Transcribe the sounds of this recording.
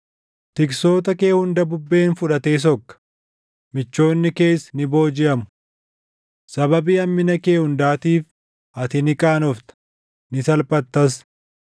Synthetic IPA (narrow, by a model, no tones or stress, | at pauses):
t̪ɪkso̞ːt̪ɐke̞ːhʊnd̪ɐbʊbːe̞ːnfʊᶑɐt̪e̞ːs̬ɔkːɐ̥ | mɪt͡ʃːo̞ːnːɪke̞ːsnɪbo̞ːd͡ʒɪʔɐmʊ̥ | sɐbɐbiːɐmːɪnɐke̞ːhʊnd̪aːt̪iːf | ɐt̪ɪnɪkʼaːnɔft̪ɐ̥ | nɪsɐlpʼɐt̪ːɐs